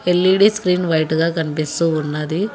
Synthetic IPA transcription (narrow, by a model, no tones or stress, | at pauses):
elːiɽiskɾiːnʋɐjʈɡɐkɐnpisuunːɐd̪i